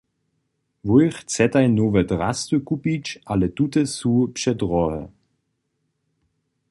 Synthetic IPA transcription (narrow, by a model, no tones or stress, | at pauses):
vɔjχt͡sɛtajnoːvədʁastukupit͡ʃʔalətutəsuːpʃɛdʁɔhə̰